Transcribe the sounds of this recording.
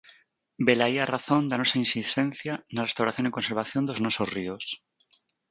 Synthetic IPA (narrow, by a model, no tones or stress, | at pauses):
be̞laiaraθõ̞nd̪anosainsist̪ẽn̟θjanarest̪awɾaθjoniko̞nse̞ɾβ̞aθjo̞nd̪oznosozrios